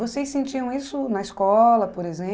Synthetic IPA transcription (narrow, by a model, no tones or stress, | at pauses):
vosejsẽnt͡ʃiɐ̃w̃isʊnɐiskɔlɐpoɾezẽ